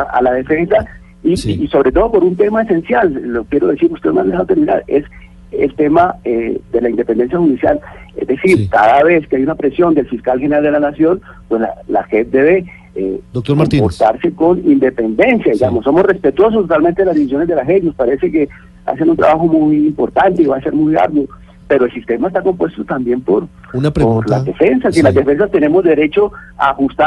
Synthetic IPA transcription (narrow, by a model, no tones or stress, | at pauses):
aa̰laðe̞fe̞nsa | iso̞βɾe̞t̪o̞ð̞o̞po̞ɾunt̪e̞maese̞nsjallokjeɾo̞ðe̞siɾust̪e̞mand̪eawt̪oɾiða̰ðe̞s | ḛlt̪e̞maed̪e̞laind̪e̞pe̞nd̪e̞nsjaxuðisja̰lḛzd̪e̞siɾkaðaβe̞skeajunapɾe̞sjo̞nd̪e̞lfiskalxeneɾald̪e̞lanasjo̞n | pwe̞sla̰la̰het̪̚d̪e̞βe̞ | ḛd̪okt̪oɾmomipoɾt̪aɾse̞ko̞nind̪e̞pe̞nd̪e̞nsjaiɡamosːo̞mosre̞spe̞t̪wo̞s̬ost̪ot̪alment̪eelazd̪iβis̬jo̞ne̞zd̪elaxetno̞spaɾe̞se̞ke̞ | a̰s̬enunt̪ɾa̰βaxo̞mujimpoɾt̪ant̪eiβase̞ɾmuja̰ɾɣwo | pe̞ɾo̞elsist̪e̞maes̬t̪ako̞mpwe̞st̪ot̪ambje̞mpoɾ | noɾla̰ðefensasinlazd̪efe̞ns̬ast̪e̞ne̞mo̞zd̪e̞ɾe̞t͡ʃo̞a̰hust̪a